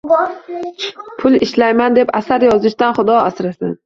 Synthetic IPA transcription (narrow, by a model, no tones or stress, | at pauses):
pʰʊlˠɪʃlajmand̪e̞pasaɾjɒzɪʃd̪anχʊd̪ɒasɾasɪn